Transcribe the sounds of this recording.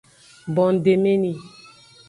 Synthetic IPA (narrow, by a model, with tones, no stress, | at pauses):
bɔ˨n˨de˨me˦ni˨